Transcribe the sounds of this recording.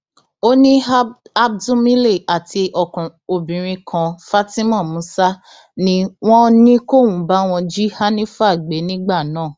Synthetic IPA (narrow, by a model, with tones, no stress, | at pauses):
o˦nĩ˦a˦b̚dũ˦mĩ˦le˦˨a˨tʰi˧ʔɔ˧˨kũ˨o˨bĩ˨ɾ̃ĩ˧kʰã˧fa˦ti˦mɔ̃˦˨mũ˨˦sa˦ | nĩ˦w̃ɔ̃˦nĩ˦ko˦˨wũ˨˦ba˦w̃ɔ̃˧d͡ʒi˦ha˦nĩ˦fa˦˨ɡ͡be˨˦nĩ˦ɡ͡ba˦˨nãː˦˨